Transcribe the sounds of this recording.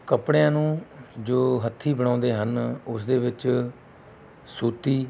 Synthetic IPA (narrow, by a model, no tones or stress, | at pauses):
kəpɽejãːnũːd͡ʒoːɦət̪ʰːiːbəɽ̃ãːnd̪eːɦənʊsd̪eːʋɪt͡ʃ | suːt̪iː